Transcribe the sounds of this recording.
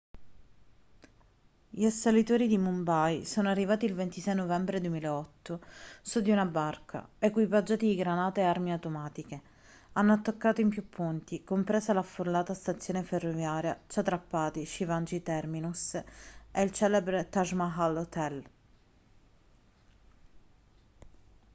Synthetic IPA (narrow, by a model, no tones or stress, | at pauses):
ʎiasalit̪oːɾid̪imumbajsoːnoarːivaːt̪iːlvent̪isɛjnovɛmbɾed̪wemileɔt̪ːosud̪ːiunabarkʰa̰ekwipad͡ʒːaːt̪id̪iɡɾanaːt̪eearmiawt̪omaːt̪ike | anːoat̪ːakːaːt̪oimpjupʰːunt̪ikompɾeːsalafːolːaːt̪ast̪at̪sːjoːneferːovjaːɾjat͡ʃat̪ːɾapːaːt̪iʃivand͡ʒit̪ɛrminus | eilt͡ʃɛːlebɾet̪aʒmaɦalot̪ɛl